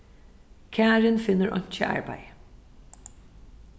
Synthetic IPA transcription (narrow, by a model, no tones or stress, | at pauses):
kʰæːɹənfɪnəɹʔɑ̰nt͡ʃə̰ʔɑ̰ɹbæ̰ɪ